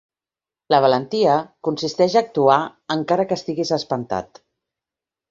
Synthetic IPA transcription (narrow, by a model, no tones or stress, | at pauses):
ləβ̞ələnt̪iəkunsist̪ɛʒaːk̚t̪uaəŋkaɾəkəːst̪iɣizəspənt̪a̰t̪